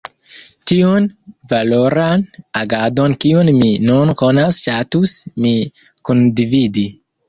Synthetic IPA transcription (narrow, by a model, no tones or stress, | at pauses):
tiunvaloɾanaɡadonkiunminunkonasʃatusmi | kundividi